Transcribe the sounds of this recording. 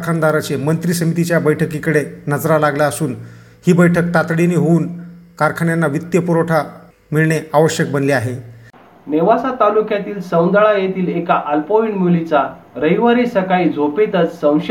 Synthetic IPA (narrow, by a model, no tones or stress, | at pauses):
kʰand̪aɾat͡ɕemənt̪ɾisəmit̪it͡ɕjabəjʈʰəkikəɽenəd͡zɾalaɡljaəsuːn | hiːbəjʈʰək̚t̪at̪ɽiniːɦouːnkaɾkʰaɳjanːaʋit̪jəpuɾoʈʰa | miɭɳeaʋəɕjək̚bənliaɦe | neʋasat̪alukjat̪iːlsə̃w̃nd̪aɭajet̪iːlekaʔəlpoiɳmilit͡sa | ɾəjʋəɾisəkaid͡zopet̪ət͡ssə̃w̃ɕ